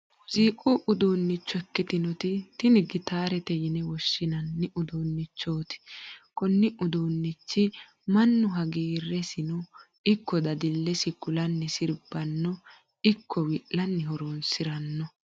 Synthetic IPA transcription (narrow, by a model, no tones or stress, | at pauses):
ʊziːkʼʊʔʊd̪oːnːɪt͡ʃːʊɛkːɪt̪ɪnɔt̪ɪt̪ɪnɪɡɪt̪aːɾɛt̪ɛjɪnɛwɔʃːɪnɐnːɪʔʊd̪oːnːɪt͡ʃːo̞ːt̪ɪ̥kɔnːɪʔʊd̪oːnːɪt͡ʃːɪ | mɐnːʊɦɐɡiːrːɛsɪnʊ | ɪkːɔd̪ɐd̪ɪlːɛsɪkʊlɐnːɪsɪɾb̥ɐnːɔ | ɪkʰːɔwɪʔlɐnːɪhɔɾoːnsɪɾɐnːɔ